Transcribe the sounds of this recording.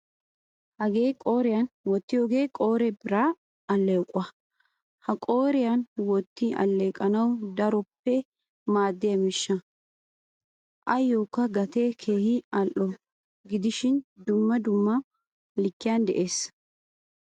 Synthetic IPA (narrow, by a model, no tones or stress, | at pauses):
hɐɡe̞ːkʼo̞ːɾɪjɐnwɔt̪ːɪjoːɡe̞ːkʼo̞ːɾɛbɪɾa | ɐlːekʼːʊɐ | hɐkʼoːɾɪjɐnwɔt̪ːɪɐ̰lːeːkʼɐnɐwd̪ɐɾɔpːɛ | maːd̪ːɪjɐmɪʃːɐ | ʔɐjːoːkːɐɡɐt̪ekʰe̞ːhɪɐlʔːɔ | ɡɪd̪ɪʃɪnd̪ʊmːɐd̪ʊmːɐ | lɪkːɪjɐnd̪ɛʔeːs